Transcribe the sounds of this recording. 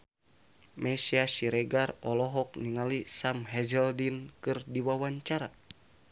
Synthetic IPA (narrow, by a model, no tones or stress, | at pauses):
mɛsiasiɾɛɡarɔlɔɦɔk̚niŋalisamɦɛd͡ʒɛldinkɨrdiwawaɲt͡ʃaɾa